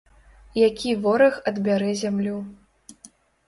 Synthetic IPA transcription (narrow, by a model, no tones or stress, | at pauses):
jakʲivɔɾɐxɐd̪bʲaɾɛzʲamlʲu